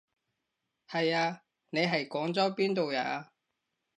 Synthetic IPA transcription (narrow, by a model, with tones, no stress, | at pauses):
hɐ˨jaː˧ | ne˨˧jɦɐ˨jkɔː˨˥ŋt͡sɔ˨˥wpiː˥nt̪o˨wja̰ː˨˥a˧